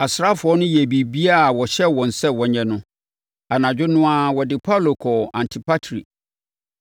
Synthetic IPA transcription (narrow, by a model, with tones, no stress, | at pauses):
a˨sɾa˦fʊ˨ɔ˦nʊ̃˦jɛ˨bi˨bi˦a˦˨wɔ˨ɕɛ˦wɔ̃˨n̩˨sɛ˦wɔ˨ɲɛ̃˦nʊ̃˦ | a˨nã˨d͡ʑᶣʊ˦nʊ̃˦a˦wɔ˨dɪ˨pʰa˦lo˨kʰɔ˨ã˨ntʰi˨pʰa˦tʰɾḭ˨